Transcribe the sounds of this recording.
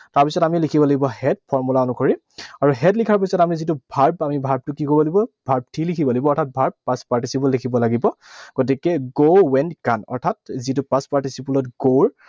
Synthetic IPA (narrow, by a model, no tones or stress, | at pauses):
taɹpisɔtamilikʰibɔlaɡibɔhɛt̚pʰɔɹmulaɔnukʰɔɹi | aɹuɦɛtlikʰaɹp̬ɔsɔtamizitubʱaɹpamibʱaɹb̚tʊkikobɔlibɔbʱaɹb̚tʰilikʰibɔlibɔɔɹtʰat̚bʱaɹb̚ːaspaɹtisipulːikʰibɔlaɡibɔɡ̥ɔt̬ikɛɡowɛnkanɔ̰ɹtʰatzitupaspaɹtisipulɔtɡoɹ